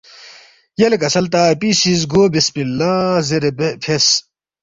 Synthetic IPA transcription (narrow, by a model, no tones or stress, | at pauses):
jɐlekɐsɐlt̪aːpiːsizɡoːbispilãːzeɾebepʰes